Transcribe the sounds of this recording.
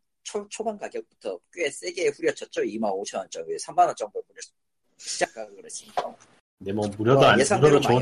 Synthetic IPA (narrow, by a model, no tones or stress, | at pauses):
t͡ɕʰot͡ɕʰobanɡaɡjʌk̚putʰʌk͈jue̞s͈e̞ɡeːɸuɾjʌt͡ɕʰʌt̚t͡ɕ͈ʌimanot͡ɕʰʌnʌnt͡ɕ͈ʌŋesʰammanʌnt͡ɕ͈ʌŋbopunʌ | ɕʰid͡ʑak̚ʰaɡokɯɾʌt͡ɕʰia | demwʌmuɾjʌdoaesʰaɾot͡ɕo